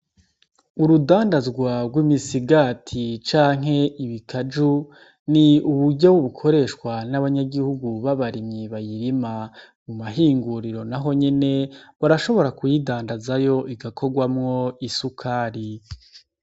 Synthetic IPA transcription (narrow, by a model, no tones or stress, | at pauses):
uɾudaːndazɡwaɡwimisiɡatʰit͡ʃaːŋɦe̞iβikʰad͡ʒu | niuβuɾɟawuβukʰo̞ɾe̞ːʃkwanaβaɲaɡihuɡuβaβaɾimɲiβajiɾima | mumaɦiːŋɡuɾiɾo̞naɦo̞ɲine̞βaɾaʃo̞βo̞ɾakujidaːndazajo̞iɡakʰo̞ɡwamŋo̞isukʰaːɾi